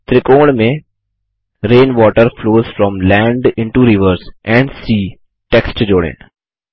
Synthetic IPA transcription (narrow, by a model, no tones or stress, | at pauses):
t̪ɾɪkoːɽmẽ | ɾẽːnʋɔːʈəɾfloːzfɾɔ̃mlɛ̃ːɳɖɪ̃ɳʈuɾɪʋəɾzʔɛ̃ɳɖsiː | ʈɛksʈd͡ʒoːɽɪ̰̃n